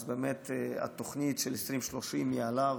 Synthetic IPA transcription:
zbeːmet̪ea̰t̪oχnitʃelesʁimʃlo̞ʃimjialav

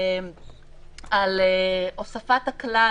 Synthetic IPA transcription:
aleʔosafatakla

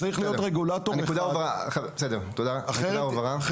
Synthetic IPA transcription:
t͡saʁiχlijo̞tʁeɡulatonekud̪avaʁaχabesed̪eʁt̪od̪aaeʁaovaʁa

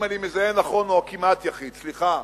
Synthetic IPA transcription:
malimezaenaχonoakimat̪jaχid̪sliχa

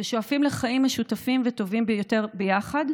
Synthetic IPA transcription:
eʃoafimleχaimaʃutafimveto̞vimbjote̞ʁbejaχad

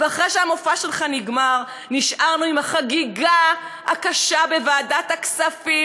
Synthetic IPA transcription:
veaχʁeʃeamofaʃelχaniɡmaʁ | niʃʔaʁnuimhaχaɡiɡa | a̰kaʃabe̞vaːdat̪aksafi

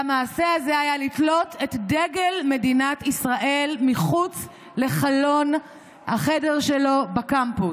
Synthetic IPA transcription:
amaːse̞azeajalitlo̞tʰetdeɡelme̞dinatisʁaʔe̞lmiχut͡s | le̞χalo̞n | haχe̞de̞ʁʃelo̞bakampu

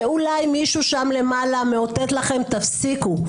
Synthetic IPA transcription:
ulajmiʃuʃamle̞maːlameot̪et̪laχe̞mt̪afsiku

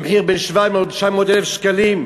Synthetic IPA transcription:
mħiʁbenʃvamotʃamot̪ɛlɛfʃkalim

